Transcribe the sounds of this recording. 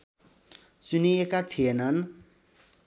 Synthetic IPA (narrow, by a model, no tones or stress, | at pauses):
suniekat̪ʰijenʌn